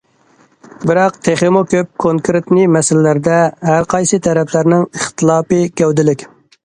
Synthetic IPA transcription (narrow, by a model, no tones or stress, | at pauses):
bɪɾɑq̚t̪ʰeχɪmukʲøp̚kʰoŋkɾet̪nɪmɛsɪlɪlæɾd̪ɛɦæɾqʰɑjsɨt̪ʰɛɾɛpʰlæɾnɪŋəχt̪ʰɨlˠɑːpɨkʲɛwd̪ɪlɪkʲ